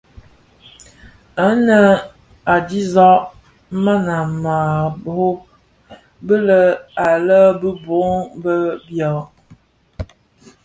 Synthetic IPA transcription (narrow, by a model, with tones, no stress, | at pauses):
ə˦nə˦ | a˨di˦zɔ˦ʔ | ma˦na˨ma˨bo˦ | bə˦lə˦a˨lə˦bə˦bo˨˦ŋbə˦bjɔ˨